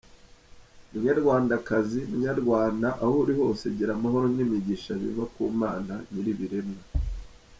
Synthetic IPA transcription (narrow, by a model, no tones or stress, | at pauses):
muɲaɾɡwaːndakazimuɲaɾɡwaːndaʔahouɾiho̞ːse̞ɟiɾamaho̞ɾomɲimiɟiʃaβḭvakuːmaːnaniɾiβiɾemŋa